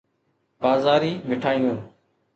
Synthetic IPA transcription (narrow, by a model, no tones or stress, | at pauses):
baːzaːɾiːmɪʈʰaːijũn